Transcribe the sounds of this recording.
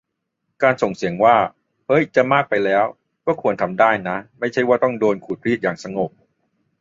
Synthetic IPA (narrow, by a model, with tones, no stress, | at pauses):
kaː˧nso˨˩ŋsi˩˦əŋwaː˥˩ | hɤ˦˥jt͡ɕa˨˩maː˥˩k̚pa˧jlɛː˦˥w | kɔː˥˩kʰu˧ənt̪ʰa˧mdaː˥˩jna˦˥ma˥˩jt͡ɕʰa˥˩jwaː˥˩t̪ɔ˥˩ŋdoː˧nkʰuː˨˩t̪̚ɾiː˥˩t̪̚jaː˨˩ŋsa˧ŋo˨˩p̚